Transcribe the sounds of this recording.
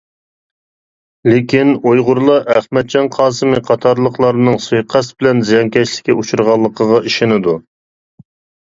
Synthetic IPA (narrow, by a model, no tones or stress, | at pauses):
lɪkʲinojʁʊɾlˠɑʔæχmɛt̪̚t͡ʃɑnqʰɑːsɨmɨqʰɑt̪ʰɑɾlˠəqlˠɑɾnɨŋsujqʰæsbɪlɛnzijɑŋkʲɛt͡ʃlɪ̥kʲːɛut͡ʃʰuɾʁɑlˠːəqʰəʁɑʔiʃɪnɪd̪u